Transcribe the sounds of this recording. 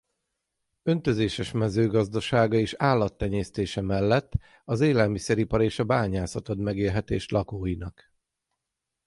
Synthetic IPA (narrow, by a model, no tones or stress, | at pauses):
ø̞nt̪ø̞zeːʃɛʃmɛzøːɡɒzd̪ɒʃaːɡɒeːʃaːlːɒt̪ːɛɲeːst̪eːʃɛmɛlːɛt̪ː | ɒzeːlɛlmisɛɾipɒɾeːʃɒbaːɲaːsɒt̪ot̪mɛɡeːlɦɛt̪eːʃlɒkoːjinɒk